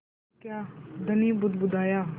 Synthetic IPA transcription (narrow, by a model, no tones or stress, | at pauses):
kjaːd̪əniːbʊd̪bʊd̪aːjaː